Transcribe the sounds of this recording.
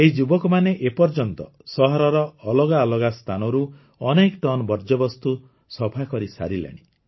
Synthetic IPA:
eɦid͡ʒubɔkɔmaneʔepɔɾd͡ʒɔnt̪ɔ | sɔɦɔɾɔɾɔːlɔɡaɔlɔɡast̪ʰanɔɾu | ɔnekʈɔnbɔɾd͡ʒɔbɔst̪u | sɔpʰakɔɾisa̰ɾilḛɽ̃i

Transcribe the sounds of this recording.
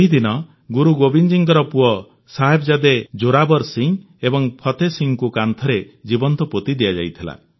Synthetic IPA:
eɦid̪inɔ | ɡuɾuɡobind͡ʒiŋkɔɾɔpuɔ | saɦebɔd͡ʒad̪ed͡ʒoɾabɔɾsiŋ | ebɔŋpʰɔt̪esiŋkukant̪ʰɔɾe | d͡ʒibɔnt̪ɔpot̪id̪ijad͡ʒa̰jt̪ʰila̰

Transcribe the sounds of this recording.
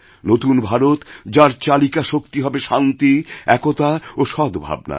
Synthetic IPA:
not̪unbʱaɾot̪d͡ʑaɾt͡ɕalikaʃok̚t̪iɦɔbeʃant̪iɛkot̪aoʃɔd̪ʱbʱa̰bna̰

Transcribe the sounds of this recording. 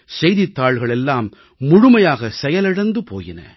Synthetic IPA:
sɛjðɪt̪ːaːɭɣɐɭɛlːaːmː | ʊɻʊmɐjaːɣɐsɛjɐlɪɽɐnd̪ɯpoːjɪnɐ̰

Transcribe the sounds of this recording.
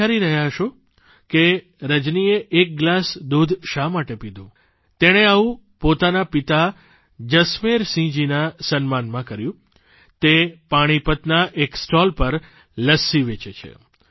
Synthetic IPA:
aɾiɾəɦjaɦəʃo | ke | ɾəd͡ʒnieʔek̚ɡlasd̪ud̪ʱʃamaʈepid̪ʱũ | t̪eɽ̃eaʋũpot̪anapit̪a | d͡ʒəsmeɾsĩd͡ʒinasənmanmãkəɾjũ | t̪epaɽ̃ipət̪naʔeksʈɔlpəɾ | ləsiʋet͡ʃet͡ʃʰḛ

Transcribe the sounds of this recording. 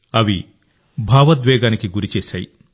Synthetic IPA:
ɐʋi | bʱaːʋɐd̪ʋɛːɡaːnikiɡuɾit͡ʃeːsa̰ːji

